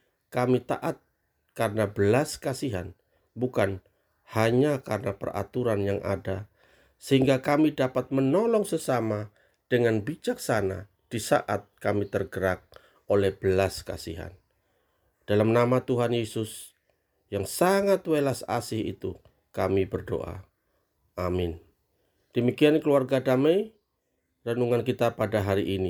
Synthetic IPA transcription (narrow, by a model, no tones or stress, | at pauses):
kamit̪a̰ʔat̪̚ | karənabəlaskasiɦa̰n | bukan | haɲakarənapə̰ra̰t̪uɾanjaŋʔa̰da | səhiŋɡakamidapat̪̚mənolɔŋsəsama | d̥əŋanbid͡ʒak̚sana̰ | d̥isa̰ʔat̪̚kamit̪ərɡəɾak̚ | olɛhb̥əlaska̰siɦa̰n | d̥alamnamat̪uɦanjesʊs | jaŋsaŋat̪welasa̰sɪhḭt̪u | kamibərdo̰ʔa̰ | ʔamɪn | d̥əmikiankəluarɡadamej | ranuŋankit̪apadaɦaɾiʔini